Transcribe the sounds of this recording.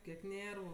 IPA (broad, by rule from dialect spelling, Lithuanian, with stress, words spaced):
kʲiɛk ˈnʲeːrʋʊ